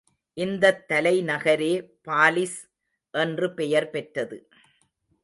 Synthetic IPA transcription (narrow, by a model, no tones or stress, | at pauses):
ʔɪnd̪ɐt̪ːɐlɐɪnɐɣɐɾeːpaːlɪs | ʔɛndrɯpɛjɐɾpɛʈrɐðɯ